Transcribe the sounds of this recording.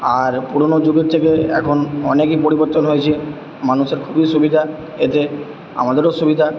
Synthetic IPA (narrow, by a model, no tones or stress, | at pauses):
aɾpuɾonod͡ʑoɡeɾt̪ʰekeɛ̰kʰonɔnekipoɾiboɾt̪onɦojet͡ɕʰi | manuʃeɾkʰubiʃubid̪ʱa | et̪e | a̰mad̪eɾoʃubid̪ʱa